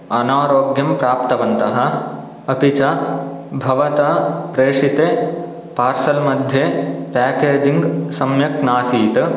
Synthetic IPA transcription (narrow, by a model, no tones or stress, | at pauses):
ɐnaːɾoːɡjɐmpɾaːpt̪ɐʋɐnt̪ɐɦɐ̆ | ɐpit͡ʃabʱɐʋɐt̪ɐpɾeːʂit̪eː | paːɾsɐlmɐd̪ʱjeːpaːkeːd͡ʒiŋɡsɐmjɐknaːsiːt̪ɐ